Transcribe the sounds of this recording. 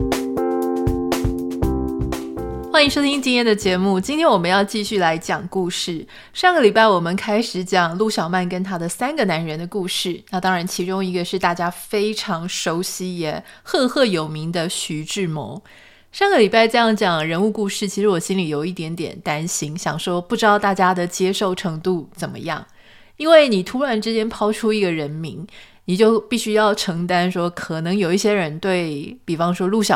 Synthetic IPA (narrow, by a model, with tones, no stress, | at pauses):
xwa˧˥ni˧˥ʂo˥ʊt̪ʰi˥ŋnt͡ɕi˥njɛ˥˩nd̪ə˩t͡ɕjɛ˧˥mu˥˩t͡ɕi˥nt̪ʰjɛ˥nwɔ˨˩mə˧˦njɑ˥˧ʊt͡ɕi˥˧ɕy˥˩la˧˥ɪt͡ɕjɑ˨˩ŋku˥˧ʂɻ̩˥˩ | ʂɑ˥˩ŋɡə˩li˨˩pa˥˩ɪwɔ˨˩mə˦nkʰa˥ɪʂɻ̩˧˥˦t͡ɕjɑ˨˩ŋlu˥˩ɕjɑ˨˩ʊma˥˩nkə˥nt̪ʰa˥d̪ə˨sa˥nɡə˨na˧˥nɻə˧˥nd̪ə˧ku˥˧ʂɻ̩˥˩na˥˩t̪ɑ˥ŋɻa˧˥nt͡ɕʰi˧˥ʈ͡ʂʊ˥ŋi˧˥ɡə˧ʂɻ̩˥˧t̪a˥˩t͡ɕja˥fe˥ɪʈ͡ʂʰɑ˧˥ŋʂo˧˥ʊɕi˧˥jɛ˨˩ | xɤ˥˧xɤ˥˩jo˨˩ʊmi˧˥ŋd̪ə˧ɕy˧˥ʈ͡ʂɻ̩˥˩mɔ̰˧˥˦ŋ | ʂɑ˥˩ŋɡə˩li˨˩pa˥˧ɪʈ͡ʂɤ˥˧jɑ˥˩ŋt͡ɕjɑ˨˩˦ŋɻə˧˥nu˥˧ku˥˧ʂɻ̩˥˩t͡ɕʰi˧˥ʂɻ̩˧˥wɔ˨˩ɕi˥nli˨˩jo˨˩ʊi˥˩t̪jɛ˧˥nt̪jɛ̰˨˩nt̪a˥nɕi˧˥ŋɕjɑ̰˨˩ŋʂo˥˧ʊpu˥˩ʈ͡ʂɻt̪ɑ˥˧ʊt̪a˥˩t͡ɕja˥d̪ə˨t͡ɕjɛ˥ʂo˥˩ʊʈ͡ʂʰɤ˧˥ŋt̪u˥˩t͡sə˨˩nmə̰˦jɑ̰˥˩ŋ | i˥nwe˥˩ɪni˨˩t̪ʰu˥ɻa˧˥nʈ͡ʂɻ̩˥t͡ɕjɛ˥npʰɑ˥ʊʈ͡ʂʰu˥i˧˥ɡə˨ɻə˧˥nmi˧˥ŋni˨˩t͡ɕjo˥˧ʊpi˥˩ɕy˥jɑ˥˩ʊʈ͡ʂʰɤ˧˥ŋt̪a˥nʂwɔ˥kʰɤ˨˩nɤ˧˥ŋjo˨˩ʊi˥˩ɕjɛ˥ɻə˧˥nt̪we˥˩ɪpi˨˩fɑ˥ŋʂwɔ˥lu˥˩ɕjɑ˨